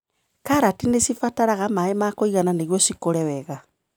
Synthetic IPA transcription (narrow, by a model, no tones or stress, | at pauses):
kaɾatinesifataɾaɣamaemakoiɣananeɣjosikoɾɛwɛɣa